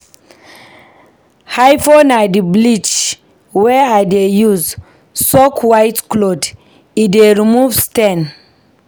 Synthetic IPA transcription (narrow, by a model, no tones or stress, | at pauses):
hajfɔnadiblit͡ʃ | wɛajdejuz | sɔkʰwajtklod | ideɹimuvstɛ̃n